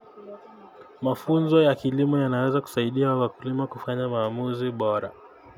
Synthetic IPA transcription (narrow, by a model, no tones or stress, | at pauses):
mafunzɔjakilimɔjanawɛzaku̥saiɗiawawakulimakufaɲamaːmuziɓɔɾa